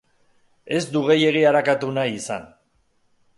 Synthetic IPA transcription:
e̞zd̪uɣe̞je̞ɣ̞iaɾakat̪unajisan

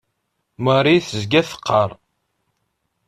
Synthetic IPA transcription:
məɾˤiθzɡæθə̥qʰːɑɾˤ

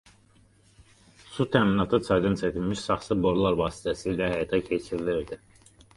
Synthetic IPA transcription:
sut̪ʰæminɑt̪ʰɯt͡sʰɑjd̪ɯnsʰæt̪ʰilʲmiʃsɑχsɯbo̞ɾlˠɑɾvɑːsi̥t̪ʰæsilæhæjɑt̪ʰæcʰet͡ʃʰiɾiliɾd̪i

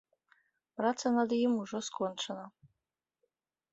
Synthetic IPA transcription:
rat͡sʰanad̪jimuʐɔskʰʼɔnʈ͡ʂʰana

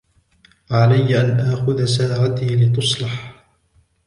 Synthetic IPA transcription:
ʕalajːʔanʔaːxʊðasaːʕat̪iːlɪt̪ʊsˤlɑħ

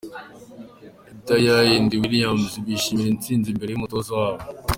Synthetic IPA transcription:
itajajindiwiɾijaːmziβiʃimiɾint͡siːnzimbe̞ɾe̞jumutozawaːβo

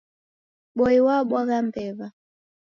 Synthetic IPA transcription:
ɓɔiwaɓwaɣam̩pɛva

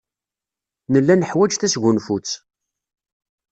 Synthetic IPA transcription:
nəlːænəħwæd͡ʒθæsʝunfut͡sː

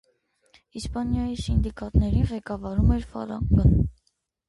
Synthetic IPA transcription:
ispɑnjɑjisind̪ikɑt̪nɛɾinʁɛkɑvɑɾumɛɾfɑ̰ɾɑ̰ŋɡən

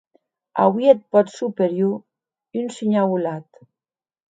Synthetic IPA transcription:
a̰wiet̪̚pɔt̪supeɾju | ynsiɲawulat̪

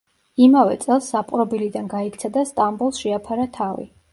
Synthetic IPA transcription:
imavɛ̰t̪sʼɛlˠsːapʼɾɔbilid̪anɡaikʰt̪sʰad̪ast̪ʼambulˠsʃɛapʰaɾat̪ʰavḭ

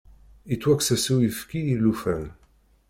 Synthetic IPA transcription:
it̪ːwæksæsuwifkiilːufæl

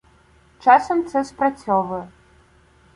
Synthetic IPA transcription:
t͡ʃasɐmt̪sɛsprɐt͡sʲɔvɨ

